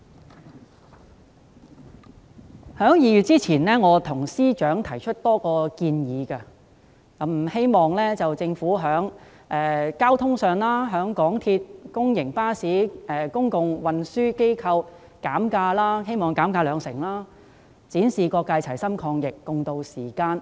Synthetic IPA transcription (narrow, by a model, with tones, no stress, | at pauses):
hœː˨˥ŋjiː˨˧jyː˨t̚t͡siː˥t͡sʰiː˨˩nlɛː˥ŋɔː˨˧t̪ʰʊ˨˩ŋsiː˥t͡ʃœː˨˥ŋt̪ʰɐ˨˩jt͡ʃʰɵ˥t̚t̪ɔː˥kɔː˧kiː˧njiː˨˧kɐ˧ | kɐ˨˥m̩˨˩he˥jmɔː˨ŋlɛː˥t͡sɐ˨wt͡sɪ˧ŋfuː˨˥ɦœː˨˥ŋ | ʔɛː˨˧kaː˥wt̪ʰʊ˥ŋsœː˨ŋlaː˥ɦœː˨˥ŋkɔː˨˥ŋt̪ʰiː˧t̚kʊ˥ŋjɪ˨˩ŋpaː˥siː˨˥ʔɛ˨˧kʊ˥ŋkʊ˨ŋwɐ˨nsyː˥ke˥jkʰɐ˧w | kaː˨˥mkaː˧laː˥he˥jmɔː˨˩ŋkaː˨˥mkaː˧lœː˨˧ŋsɪ˨˩ŋlaː˥ | t͡siː˨˥nsiː˨kɔː˧kːaː˧jt͡sʰɐ˨˩jsɐ˥mkʰɔː˧ŋjɪ˨kːʊ˨˧ŋt̪o˧wsiː˨˩kaː˧n